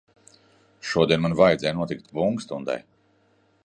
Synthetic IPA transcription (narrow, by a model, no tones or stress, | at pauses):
ʃuɔd̪ʲiɛmanvajd̪zʲɛjnuɔt̪ik̚t̪buŋkst̪und̪a̰j